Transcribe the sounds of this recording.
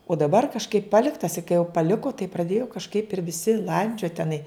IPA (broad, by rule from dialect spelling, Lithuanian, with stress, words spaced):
oː dɐˈbɐr kɐʃˈkɐɪp ˈpɑːlʲɪktɐs ɪ kɐɪ jɛʊ pɐˈlʲɪkoː tɐɪ prɐˈdʲeːjoː kɐʃˈkɐɪp ɪr ʋʲɪˈsʲɪ ˈlˠɐnʲd͡ʒʲoːt tʲɛˈnɐɪ